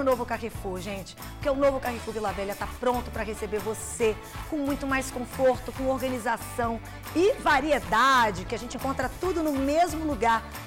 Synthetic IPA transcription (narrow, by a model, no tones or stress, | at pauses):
novʊkaʁefuʒẽt͡ʃɪ̥pʊɾkeũnovʊkahefuvilavɛlɐt̪apɾõnt̪ʊpɾɐɦesebeɾvose | kõmũj̃t̪ʊmajskõfoɾt̪ʊkõoɾɡɐ̃nizasɐ̃w̃ | ɪvaɾied̪ad͡ʒɪkɪaʒẽnt͡ʃɪẽŋkõnt̪ɾɐt̪ud̪ʊnʊmezmʊluɡaɾ